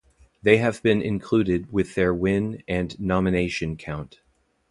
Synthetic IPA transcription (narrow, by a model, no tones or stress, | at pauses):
ðeɪɨvbɨ̃nɪ̰̃nkʰl̥ʉɾɪd̚wɪðə˞wɪ̃nɨ̃nːɑmɨneɪʃɨ̃nkʰãʊ̃nt